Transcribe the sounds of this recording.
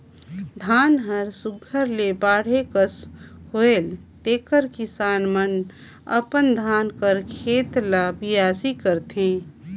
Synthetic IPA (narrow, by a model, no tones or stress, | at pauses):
d̪ʱaːnɦəɾsʊɡʱəɾlebaːɽ̤ekəshoelt̪eːkəɾkɪsaːnmən | ə̰pənd̪ʱaːnkəɾkʰeːt̪labɪjaːsikəɾt̪ɦẽː